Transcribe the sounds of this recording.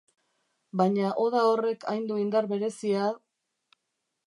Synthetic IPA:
baɲaʔo̞ðao̞re̞kʰa̰jnd̪uind̪aɾβe̞ɾe̞sia

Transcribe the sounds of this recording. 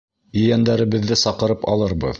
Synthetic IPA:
ɵ̆jænd̪æɾɘ̆βɘ̆ðːɘsɑqɤ̆ɾɤpɑ̰lˠɤɾbɤ̰ð

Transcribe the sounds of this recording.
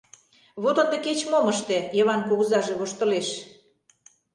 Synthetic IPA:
βot̪ŏnd̪ĕket͡ɕmoməʃt̪ĕjəβɑnkoɣəzɑʒeβoʃt̪ə̆leʃ

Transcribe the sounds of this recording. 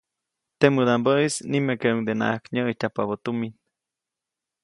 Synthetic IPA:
t̪emɨd̪ambəisnimekeʔuŋd̪ena̰ʔakɲəitapaβot̪umin

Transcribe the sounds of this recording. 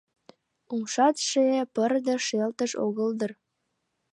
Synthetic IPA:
umʃɑt̪ʃeepərd̪ə̆ʃelt̪əʃo̰ɣəld̪ər

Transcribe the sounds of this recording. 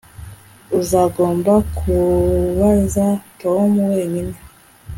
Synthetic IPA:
uzaːɡo̞ːmbakʰuβazatomuwe̞ːɲine

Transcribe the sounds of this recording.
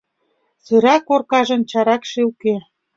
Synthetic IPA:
syɾɑkːorkɑʒɤ̆nt͡ɕɑɾɑkʃiwke

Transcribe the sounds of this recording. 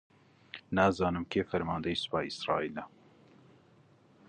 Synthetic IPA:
naːzɑːnɨmkʰeːfɛɾmɑːnd̪ɛisɨ̥pɑːiisɾɑ̰ːiːlɛ

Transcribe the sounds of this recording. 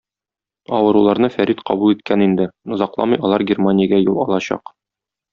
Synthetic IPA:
ɒwɤ̆ɾulˠɑɾnɤfæɾit̪qɒbulˠit̪̚kænind̪ɘŏzɑqlˠɑ̰mɤjɒlˠɑɾɡʲermanʲɪjəɡæjulˠɒlˠɑɕɑ̰q

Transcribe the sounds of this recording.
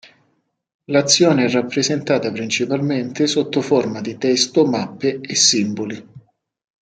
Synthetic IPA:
lat̪sːjɔːneɛrːapːɾezent̪aːt̪apɾint͡ʃipalment̪esot̪ːoformad̪it̪ɛst̪omapːeesːimboli

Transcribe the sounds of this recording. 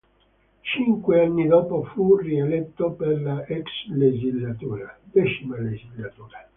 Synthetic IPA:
t͡ʃiŋkweanːid̪ɔːpofurielɛt̪ːoperlaʔɛksled͡ʒizlat̪uːɾad̪ɛt͡ʃimaled͡ʒizlːat̪uːɾa

